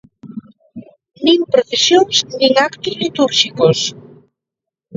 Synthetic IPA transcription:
nĩŋpɾoθesjoŋsnĩŋakt̪ʊzlit̪uɾʃikos

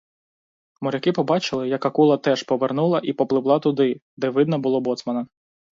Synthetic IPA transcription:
mɔɾʲɐkɪpɔbɑt͡ʃɪlˠɪjɐkɐkulˠɐt̪ɛʃpɔʋernulˠɐʔipɔplˠɪʋlˠɑt̪ʊd̪ɪd̪ɛʋɪd̪nɐbʊlˠɔbɔt̪smɐnɐ

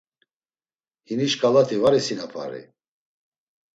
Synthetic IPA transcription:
hiniʃkʼalat̪ʰivaɾisinapʰa̰ɾḭ

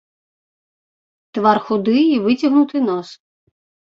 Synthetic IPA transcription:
t̪ʋɑrxʊd̪ɪiʋɪtʲɐɦnʊt̪ɪnɔs

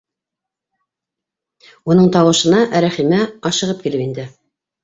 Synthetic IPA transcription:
unɤɴt̪ɑwɤ̆ʃɤ̆nɑʔɾæχimæɑʃɤ̆ʁɤp̚kilɘpind̪ɘ

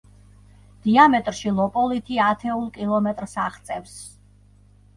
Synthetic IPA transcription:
d̪̥iamɛt̪ʼɾʃilˠɔpʼɔlit̪ʰiat̪ʰɛulˠkʼilˠɔmɛt̪ʼɾsaχt̪sʼɛfs

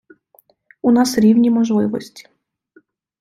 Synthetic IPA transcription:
unɑsɾʲiwnʲimɔʒlˠɪʋɔsʲtʲi̥

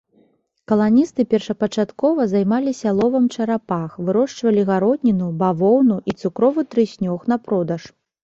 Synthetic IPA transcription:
kɐlˠanʲist̪ɨpʲɛrʂɐpɐt͡ʂat̪kɔvɐzajmalʲisʲalˠɔvɐmt͡ʂɐɾapaxvɨɾɔʂt͡ʂvɐlʲiɣaɾɔd̪ʲnʲinubavɔwnuʔit̪sukɾɔvɨt̪ɾɨsʲnʲɔxn̪ɐpɾɔd̪ɐʂ

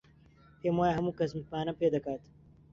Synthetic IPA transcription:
pemaːjaɦɐmũkɐsmipaːnɐpeːd̪ɐkaːt̪

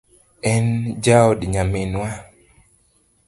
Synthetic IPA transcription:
ɛnd͡ʒaɔdɲamɪnwa

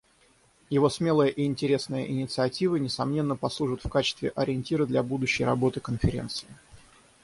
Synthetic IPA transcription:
jɪvo̞smʲelˠəjəʔɪɪnʲtʲɪɾʲe̞snəjə̰ʔɪnʲɪt̪sɨɐtʲivənʲɪsɐmnʲe̞nːəpɐslˠuʐɨt̪fkat͡ɕɪ̥st̪vʲɪʔɐɾʲɪɪnʲtʲiɾɨd̪lʲabud̪ʊɕːɪjrɐbo̞t̪ɨkənfʲɪɾʲe̞̰nt̪sɨ̥ɪ

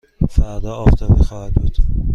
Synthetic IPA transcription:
fæɾd̪ɒːɒːft̪ʰɒːbixɒːhæd̪̚buːd̪̥

